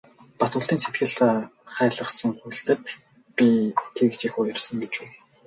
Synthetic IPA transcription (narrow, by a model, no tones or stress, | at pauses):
pat̪ʊ̆ːɬt̪iːnset̪ɡɘ̆ɮχæːɮə̆χsə̆ŋχujɬt̪ɘ̆t̪ | pʲit̪ʰeɣ̆kt͡ɕixuːjarsə̆ŋɡet͡ɕuː